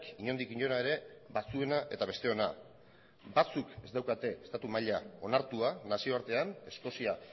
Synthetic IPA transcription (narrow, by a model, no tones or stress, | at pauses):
kiɲo̞nd̪ikiɲo̞naeɾe̞bat͡sue̞naʔe̞t̪aβ̞e̞st̪e̞o̞na | bat͡suke̞zd̪awkat̪e̞est̪at̪umaʎao̞naɾt̪uanasio̞aɾt̪e̞ane̞sko̞sia